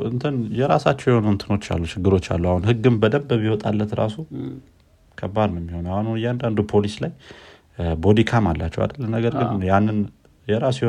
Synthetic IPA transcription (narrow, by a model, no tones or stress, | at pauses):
ɨnt̪ʰɨnjɛɾasat͡ʃːɛwjɛhonnt̪ʰɨno̞t͡ʃːa̰lːut͡ʃʰɪɡːɨɾo̞t͡ʃːa̰lːuahunhɨɡːɨmbəd̪əmbəβiwot̪ʼalːət̪ɾa̰su | kʰəbaɾnjɛmːiho̞nwahanujɛand̪and̪upʰo̞lislaj | bo̞d̪ikʰamalːa̰t͡ʃːɛwa̰d̪əlːənːəɡəɾɡɨnjanːɨn | jɛɾasjɛho